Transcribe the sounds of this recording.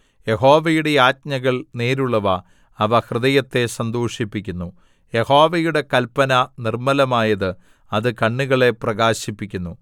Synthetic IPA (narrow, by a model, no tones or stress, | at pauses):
je̞ɦo̞ːʋɐjuɽe̞jaːt̚ɲɐɣɐɭneːɾuɭːɐʋɐː | ʋɐhrɨðɐjɐt̪ːe̞sɐnd̪oːʂipːikʲːunːu | je̞ho̞ːʋɐjuɽe̞kɐlpːɐnɐnirmɐlɐmaːjɐðɨ | ɐðɨkɐɳːuɣɐɭe̞prɐɣaːɕipːikʲːunːu